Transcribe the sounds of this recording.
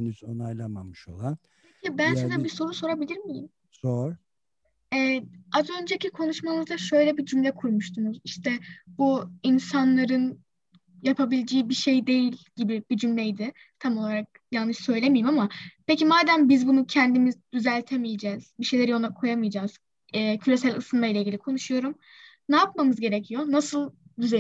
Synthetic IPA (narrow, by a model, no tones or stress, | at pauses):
nyzo̰najlˠama̰mɯʃo̞̰lˠan | eibænsed̪ænbiso̞ɾuso̞ɾabilʲiɾmijḭm | z̥oɾ | ɛːazø̞nd͡ʒecʰikʰo̞nuʃmamɯzd̪aʃø̞jlʲɛbid͡ʒymlʲɛkʰuɾmuʃt̪ʰunuziʃt̪ʰɛbuinsanlˠaɾɯn | japʰabilʲid͡ʒiːibiʃe̞jd̪e̞jilʲɟ̥ibibid͡ʒymlʲɛjd̪ɪ | t̪ʰamo̞lˠaɾak̚jalnːɯʃsø̞jlʲe̞mijimamapecimaːd̪ænbizbunucʰænd̪imizd̪yzælʲt̪ʰe̞mijed͡ʒɛz̥biʃe̞jlʲeɾijonakʰo̞jamɯjd͡ʒaːz̥ | ɛːcʰyɾe̞sælʲɯsɯnmailʲeiɟilʲikʰo̞nuʃujo̞ɾum | naːp̚mamɯzɟe̞ɾecʰijo̞nasɯlˠd̪yze